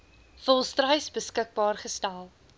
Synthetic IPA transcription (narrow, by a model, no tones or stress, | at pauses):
fəlˠstrəjsbəskək̚bɑːrχəstælˠ